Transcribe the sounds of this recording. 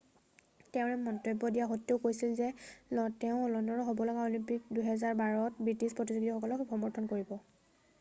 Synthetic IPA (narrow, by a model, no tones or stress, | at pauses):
tɛʊ̃ɹɛmɔntɹebːɔdijaxotːoʊkojsilzɛlɔtɛʊ̃ɔlɔndɔɹɔɦobɔlɔɡaolimpik̚duɦɛzaɹbaɹɔtbɹitispɹɔtizuɡitɔxɔkɔlɔkxɔmɔɹtʰɔnkoɹibɔ